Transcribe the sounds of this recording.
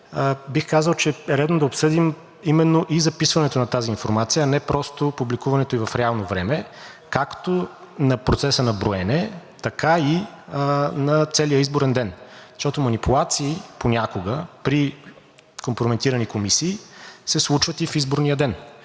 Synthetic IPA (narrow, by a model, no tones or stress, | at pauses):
bixkazəlˠt͡ʃɛɛɾɛd̪nod̪ɐopsɤd̪im | imɛnːoʔizɐpisvɐnɛt̪onɐt̪aziːnfoɾmat̪sijəːnɛpɾɔst̪opublikuvɐnɛt̪oivɐfɾɛalˠnovɾɛmɛ | kakt̪o | nɐpɾot̪sɛsənɐbɾoɛnɛt̪ɐkai | nɐt̪sɛlijəizboɾɛnd̪ɛnzəʃt̪ɔt̪omɐnipulˠat̪siːponʲakoɡəpɾi | kompɾomɛnt̪iɾənikomisiːsɛslˠut͡ʃvət̪ifizboɾnijəd̪ɛn